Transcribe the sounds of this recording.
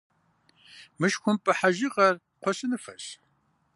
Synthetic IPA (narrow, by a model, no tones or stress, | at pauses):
mɨʃxʷʊmpʼɨħaʒiʁɐr | qʷʰɔɕʼɪnɨfɐ̰ɕ